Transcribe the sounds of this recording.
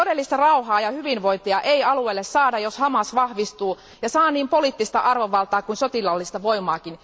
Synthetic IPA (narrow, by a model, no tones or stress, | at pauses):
odelːist̪ɑrɑuhɑːjɑhyʋinʋoit̪iɑʔeijɑlueːlːessɑːdɑjoshɑmɑsʋɑhʋist̪uː | jɑsɑːniːmpoliːt̪ːist̪ɑʔɑrʋoʋʋɑlt̪ɑːkuinsot̪ilɑlːist̪ɑʋoimɑːkin